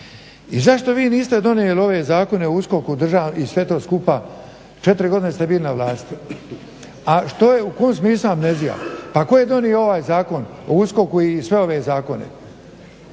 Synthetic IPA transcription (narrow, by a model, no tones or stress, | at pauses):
izaʃt̪o̞ʋiːniːst̪e̞d̪o̞nijelio̞ʋe̞zaːko̞ne̞ousko̞kud̪r̩ʒaːʋnisʋe̞t̪o̞ːskupa | t͡ʃe̞t̪iɾiɡo̞d̪ine̞st̪e̞bilinaʋlˠaːst̪ | aʃt̪o̞je̞ukomsmiːsluamnezija̰pako̞jed̪o̞nieo̞ʋaːjzaːko̞n | ousko̞kuisʋe̞o̞ʋe̞zaːko̞ne̞̰